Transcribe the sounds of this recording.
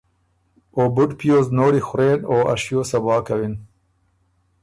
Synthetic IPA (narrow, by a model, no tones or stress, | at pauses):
oːbʊɖpijoːznoːɽixʊɾeːnoːa̰ʃjoːsɐbɑːkɐwin